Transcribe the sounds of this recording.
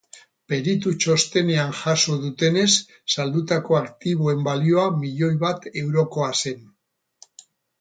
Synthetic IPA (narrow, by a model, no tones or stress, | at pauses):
pe̞ɾit̪ut͡ʃo̞st̪e̞ne̞anʝasoðut̪e̞ne̞sː | ald̪ut̪ako̞akt̪iβ̞oe̞mbalio̞amiʎo̞jβat̪e̞wɾo̞ko̞ase̞n